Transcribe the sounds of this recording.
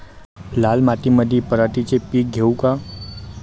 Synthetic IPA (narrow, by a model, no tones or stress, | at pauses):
laːlmat̪iməd̪ʱipəɾaʈ̪it͡ʃepiːk̚ɡʱeuka